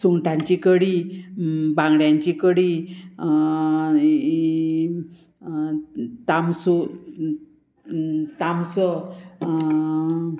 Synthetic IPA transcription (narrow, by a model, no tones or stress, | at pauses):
suŋʈãɲt͡ɕikəɽi | bãŋɡɽjãɲt͡ɕikəɽi | t̪amsu | t̪amsə